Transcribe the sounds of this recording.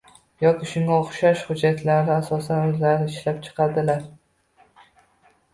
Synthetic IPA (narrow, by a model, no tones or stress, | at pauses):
jɒkʲɪʃʊŋɡaoχʃaʃhʊd͡ʒːat̪ʰlaɾɪasɒsanɵzlaɾnɪɪʃlap̚t͡ʃʰɨ̥qʰɑd̪ɪlaɾ